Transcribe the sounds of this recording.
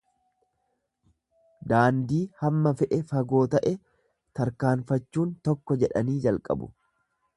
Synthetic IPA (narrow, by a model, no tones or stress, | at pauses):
d̪aːnd̪iːhɐmːɐfɛʔɛfɐɡo̞ːt̪ɐʔɛ | t̪ɐɾkaːnfɐt͡ʃːuːnt̪ɔkːɔd͡ʒɛᶑɐ̰niːd͡ʒɐlkʼɐ̰bʊ̰